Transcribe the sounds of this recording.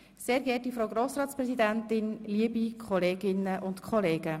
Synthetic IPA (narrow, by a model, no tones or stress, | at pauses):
seːɾɡɛːt̚difɾoʊɡɾoːsɾɑːt̪t͡spɾɛzid̪æntɪnliəbikʰχɔleːɡ̥ɪnəʔʊntkʰɔleːɡ̥ə